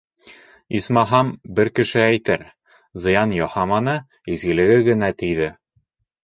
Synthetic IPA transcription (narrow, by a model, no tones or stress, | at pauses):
ismɑɦɑmbɘɾkɘ̆ʃɘæjt̪ɘɾ | zɤ̆jɑnjɒhɑmɑnɤ | izɡɘ̆lɘ̆ɡɘɡɘ̆næt̪ijðɘ